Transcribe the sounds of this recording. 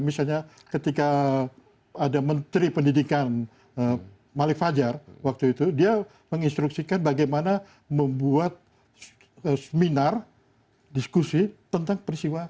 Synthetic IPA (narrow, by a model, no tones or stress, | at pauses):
misalɲa | kət̪ika | adamənt̪ɾipəndidikan | ə | malɪkfad͡ʒarwak̚t̪uit̪udia | məŋinst̪ɾuksikanbaɡajmana | məmbuat̪̚ | əsəminar | diskusit̪ənt̪aŋpəɾist̪iwa